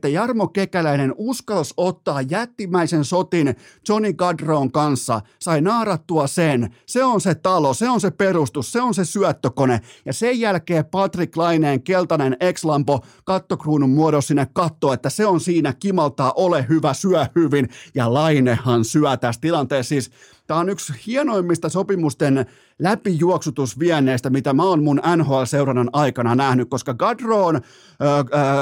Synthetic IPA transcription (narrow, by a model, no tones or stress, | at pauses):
t̪ːæjɑrmokekælæinenuskɑlsot̪ːɑːjjæt̪ːimːˑæisensot̪int͡ʃoniɡɑdroːŋkɑnsːɑsɑinɑːrɑt̪ːuɑsenseonset̪ɑloseonseperust̪usseonsesyœt̪ːøkonejɑsejjælkeːpɑt̪riklɑineːŋkelt̪ɑnenekslɑmpokɑt̪ːokruːnummuoɾossinːekkɑt̪ːoːet̪ːæseonsiːnækimɑlt̪ɑːʔolehyʋæsyæhhyʋinjɑlɑinehːɑnsyæt̪æst̪ilɑnt̪eːssiːs | t̪æːonykshiɛnoimːist̪ɑsopimust̪en | læpijuoksut̪usʋiænːˑeːst̪æmit̪æmæonmunænhoɑlseurɑnːɑnɑikɑnɑnæhnykkoskɑɡɑdroːnː